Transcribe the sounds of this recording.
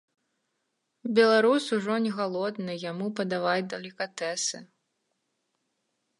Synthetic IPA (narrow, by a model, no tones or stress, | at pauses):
bʲɛlˠaɾusuʐɔnʲɛɣalˠɔd̪nɨjamupɐd̪avajʲd̪ɐlʲikat̪ɛsɨ